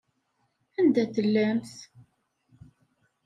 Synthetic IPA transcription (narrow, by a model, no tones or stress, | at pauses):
ænd̪æθəlːæmθ